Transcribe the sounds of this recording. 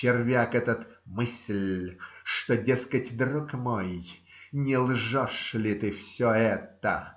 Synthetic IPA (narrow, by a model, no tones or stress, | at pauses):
ɪrvʲakɛt̪ət̪ | mɨsʲlʲʂt̪odʲeskətʲd̪rɔkmoj | nʲɪlˠʐɔʂlʲɪt̪ɨfsʲɔɛt̪ə